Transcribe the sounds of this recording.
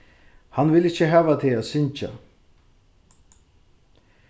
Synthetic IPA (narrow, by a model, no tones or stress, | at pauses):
hanvɪlɪçːəɦæːvat̪ʰɪaːsʏnt͡ʃa̰